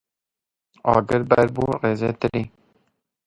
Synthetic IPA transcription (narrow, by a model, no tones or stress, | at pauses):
ɑ̰ːɡɪɾbæɾbuːɾeːzet̪ɨliː